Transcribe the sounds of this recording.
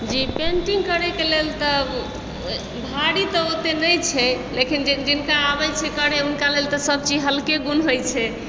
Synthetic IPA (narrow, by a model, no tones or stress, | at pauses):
d͡ʒipẽɳʈiŋɡkəɾɛkelelt̪ə | bʱaɽit̪ɔot̪enəjt͡ʃʰɛlekind͡ʒd͡ʒinkaːbɛt͡ʃʰɛkəɽeunkalelt̪ɔsəb̚t͡ʃid͡ʒɦəlkeɡunɦojt͡ʃʰɛ